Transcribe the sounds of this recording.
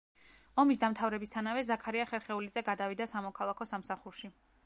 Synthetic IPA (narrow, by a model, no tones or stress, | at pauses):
ɔmisd̪amt̪ʰavɾɛbist̪ʰanavɛzakʰaɾiaχɛɾχɛulid̪zɛɡad̪avid̪asamɔkʰalˠakʰɔsamsaχuɾʃi